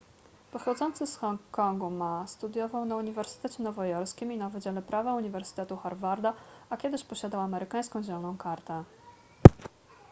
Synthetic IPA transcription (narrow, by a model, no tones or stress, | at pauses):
pɔxɔd̪zɔnt̪sɘsxɔŋkkːɔŋɡumast̪ud̪ʲjɔvawnauɲivɛɾsɘ̥t̪ɛt͡ɕɛnɔvɔjɔɾskʲiminavɘd͡ʑalɛpɾavɛuɲivɛɾsɘ̥t̪ɛt̪uxaɾvaɾd̪aakʲjɛd̪ɘɕpɔɕad̪awamɛɾɘkaj̃skɔ̃w̃d͡ʑɛlɔnɔ̃w̃kaɾt̪ɛ